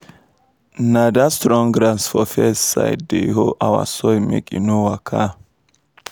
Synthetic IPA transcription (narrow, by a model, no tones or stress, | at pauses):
nad̪ɐst̪ɾɔŋɡɾansfɔfɛsɐ̰jd̪ḛːɦɔʔɐwɐ̰sɔjmɛ̰kʼɪnuwakʰːa